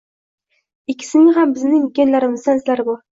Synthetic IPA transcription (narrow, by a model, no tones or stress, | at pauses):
ikʲʰːɪ̥sɪnɪɦambɪznɪŋkʲenlaɾɪmɪzanslaɾbu